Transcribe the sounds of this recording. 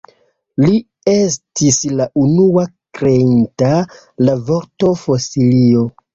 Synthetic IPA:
li | e̞stislaʔunuakɾeinta | lavo̞ɾto̞fosilio̞

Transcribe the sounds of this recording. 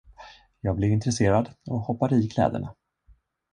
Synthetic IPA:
jɑːɡ̚blɪɾɪnt̪ɾɛseːɾad̪ɔhɔpːaɾiːkʰlɛ̰ːd̪ə̰ɳa

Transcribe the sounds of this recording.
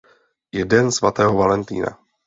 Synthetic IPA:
jɛdɛnsvat̪ɛːɦovalɛnt̪ḭːna̰

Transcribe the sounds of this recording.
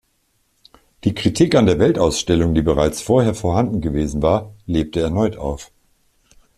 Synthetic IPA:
d̥iːkʁ̥itʰikandeːɐvɛltʔaʊsʃtɛlʊŋdiːbəʁ̞aɪt͡sfoːɐheːɐfoːɐɦandn̩ɡəveːzn̩vaːɐleːp̚təɛɐnɔʏtʔaʊf

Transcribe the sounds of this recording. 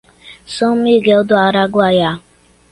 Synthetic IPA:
somiɡeɔdʊaɾaɡʊaja

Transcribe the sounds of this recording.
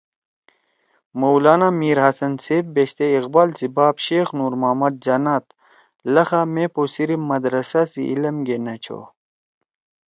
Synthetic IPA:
mowlaːnamiːɾhɐsɐnseːb̚beɕt̪eiqbaːlsibaːbɕeːxnuːɾmaːmɐd̪̚d͡ʑɐnaːt̪ | lɐxameposiɾimɐd̪ɾɐsasḭʔːlɐmɡenɐt͡ɕʰo̰

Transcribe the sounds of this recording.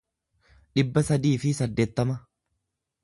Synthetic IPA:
ᶑɪbːɐsɐd̪iːfɪsɐd̪ːe̞ːt̪ːɐmɐ

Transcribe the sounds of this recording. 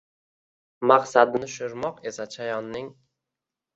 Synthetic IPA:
maqsad̪nɪʃʊɾmɒqe̞sat͡ʃʰajɒnːɪŋ

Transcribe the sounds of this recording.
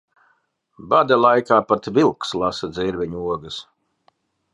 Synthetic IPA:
bad̪alˠajkaːpat̪vilˠkslˠasɐd̪ziɾvʲiɲuɔɡɨs

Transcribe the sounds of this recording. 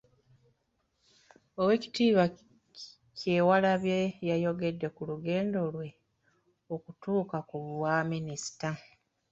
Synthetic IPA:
owe̞ːci̥tiːβa | ce̞ːwalaβjejajo̞ɡe̞dːe̞kuluɡe̞ːndo̞lwe̞ | okutuːkakuβwaminisi̥ta

